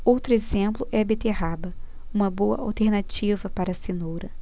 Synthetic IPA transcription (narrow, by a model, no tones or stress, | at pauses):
owt̪ɾʊezẽplʊʔɛɐbet̪eɦabɐ | ũmɐboɐ̰a̰wt̪eɾnat͡ʃivɐpaɾɐsinowɾɐ